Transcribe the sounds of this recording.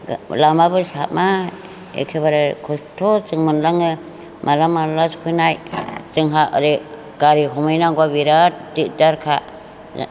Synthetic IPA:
lamabɯsama | ḛkʰebaɾɯkʰɔstʰotɯŋmɯnlaŋɯ | mʔalamalaskʰujnajtɯŋɦaɯɾi | ɡ̥aɾikɔmɯjnaɡwabiɾadidaɾkʰa̰

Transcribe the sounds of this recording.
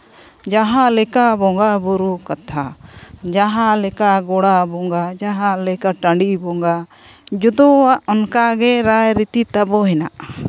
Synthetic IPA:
d͡ʒaɦãlɛkabɔŋɡabuɾukat̪ʰad͡ʒaɦãlɛkaɡɔɽabɔŋɡad͡ʒaɦãlɛkaʈaɳɖibɔŋɡa | d͡ʒud̪ɔaʔɔnkaɡɛɾajɾit̪it̪abɔɦɛna̰ʔ

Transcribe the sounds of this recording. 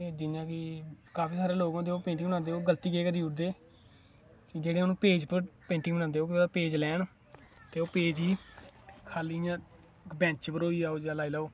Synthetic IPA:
eːd̪iːjãːkɪkaːfʰiːsaːɾeːloːɡãːd̪eːoːpẽːɳʈɪ̃ŋbənãːnd̪eːoːɡəlt̪iːkeːkəɾiːuːʈd̪eː | kɪd͡ʒeːɽeːənũːpeːd͡ʒpəɾpẽːɳʈɪ̃ŋbəñãːnd̪eːɦoːkɪpeːd͡ʒlɛːɳ | t̪eːoːpeːd͡ʒɦiː | kʰaːliːjã | bɛ̃ːt͡ʃpəɾoːiːaːoːd͡ʒaːlaːiːlaːoː

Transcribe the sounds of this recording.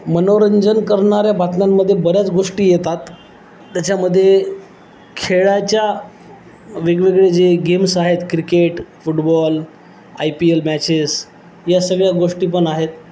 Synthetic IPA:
mənoɾəɲd͡ʑənkəɾɳaɾjabat̪namːəd̪ʱːjebəɾjat͡sɡoʂʈiːjet̪at̪ː | jat͡ɕaməd̪ʱːje | kʰeɭat͡ɕja | ʋeɡɭeɡɭed͡zeɡemsaɦet̪kɾikeʈfuʈbɔl | ajpielmæt͡ɕes | jasəɡɭjaɡoʂʈiːpəɳaɦet̪

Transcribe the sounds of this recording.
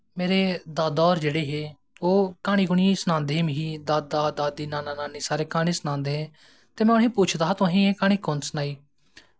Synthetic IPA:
meːɾeːd̪aːd̪ɔːɾd͡ʒeːɽeːɦeː | oːkaːɽ̃iːɡʊɳiːsnãːnd̪eːɦːmɪɦiːd̪aːd̪aːd̪aːd̪iːnaːnaːnaːniːsaːɾeːkaːɽ̃iːsnãːnd̪eːɦẽː | t̪eːmɛ̃ːʊnɦĩːpuːt͡ʃʰd̪aːɦat̪õːɦĩːẽːkaːɽ̃iːkʊnsnaːiː

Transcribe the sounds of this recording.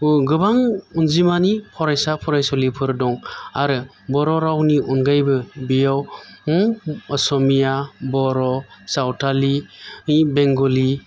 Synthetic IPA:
ɡɯbaŋunzimanipʰɔɾajsapʰɔɾajsɔlipʰɯɾdɔŋaɾɯ | bɔɾɔɾawniʔunɡajbɯbijaw | ɔsɔmijabɔɾɔsawtali | beŋɡoli

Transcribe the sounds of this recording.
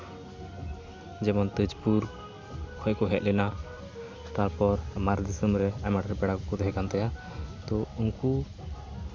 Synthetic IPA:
d͡ʒɛmɔnt̪əd͡ʒpuɾ | kʰɔkɔɦɛt̪̚ˀlɛna | t̪aɾpɔɾmaɾd̪isəmɾɛamaʈɾɛpɛɽakɔkɔd̪ɦɛkant̪ɛja | t̪ɔunku

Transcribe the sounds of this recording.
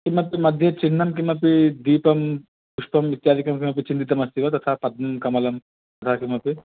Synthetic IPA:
kimːɐpimɐd̪ʱjɐt͡ʃiɳːɐmk̬imːɐpid̪iːpɐm | puʂpɐmit̪jaːɾikɐmkimːɐp̬it͡ʃint̪it̪ɐmɐsiʋɐt̪ɐt̪ʰapɐd̪̚nɐmkɐmɐlɐm | t̪ɐt̪ʰakimːɐpi

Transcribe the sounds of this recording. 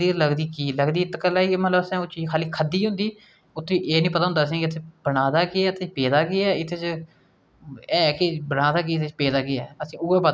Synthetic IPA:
iːɾləɡd̪iːkiːləɡd̪iːɪt̪kəlːaːiːmət̪ləbəsɛ̃ːoːt͡ʃiːd͡ʒkʰaːliːkʰəd̪iːɦʊ̃nd̪iː | ʊt̪ʰːẽːʔeːnĩːpət̪aːɦʊnd̪aːs̬ĩːkɪt̪ʰːebəɽaːd̪aːkɪɛːət̪ʰeːpeːd̪aːɡɪɛːɪt̪ʰːeːt͡ʃ | ɛːkɪbəɽ̃aːd̪aːkɪɪt̪ʰeːt͡ʃpeːd̪aːɡɪɛːəsĩːʊeːbə

